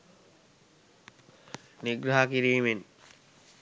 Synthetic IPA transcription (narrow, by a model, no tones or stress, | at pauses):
niɡɾaɦakiɾiːmen